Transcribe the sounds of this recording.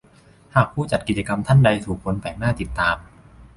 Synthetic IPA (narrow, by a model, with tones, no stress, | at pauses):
haː˨˩k̚pʰuː˥˩t͡ɕa˨˩t̪̚ki˨˩t͡ɕa˧ka˧mt̪ʰa˥˩nda˧jt̪ʰuː˨˩k̚ʰo˧npɛː˨˩k̚naː˥˩t̪i˨˩t̪ːaː˧m